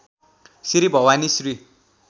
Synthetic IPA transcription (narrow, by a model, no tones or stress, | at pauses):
siɾibʱʌwanisri